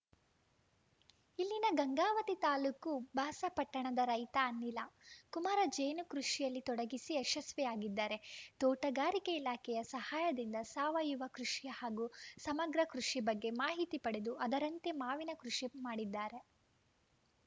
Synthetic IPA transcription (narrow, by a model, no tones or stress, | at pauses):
ilːinɐɡɐŋɡaːʋɐt̪it̪aːlukubʱaːsɐpɐʈːɐɳɐd̪ɐɾɐjt̪ɐːnːilɐkumaːɾɐd͡ʒejnukɾuʂijɐlːit̪ɔɽɐɡisiɐʃɐsʋɛjaːɡid̪ːaːɾe̞t̪oːʈɐɡaːɾikeilaːkʰɛjɐsɐhaːjɐd̪ind̪ɐsaːʋɐjuʋɐkɾuʂijɐhaːɡusɐmɐɡɾɐkɾuʂibɐɡːe̞maːɦit̪ipɐɽe̞d̪uɐd̪ɐɾɐnt̪emaːʋinɐkɾuʂimaːɽid̪ːaːɾe̞